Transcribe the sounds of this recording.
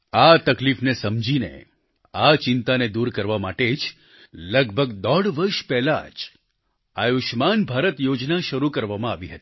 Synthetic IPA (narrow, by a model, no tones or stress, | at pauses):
at̪əklifnesəmd͡ʒinḛ | at͡ʃɪnt̪aned̪uɾkəɾʋamaʈed͡ʒ | ləɡbʱəɡd̪ɔɽʋəɾʃpɛɦla̰d͡ʒ | ajuʃmanbʱaɾət̪jod͡ʒnaʃəɾukəɾʋamãaʋiɦət̪i̥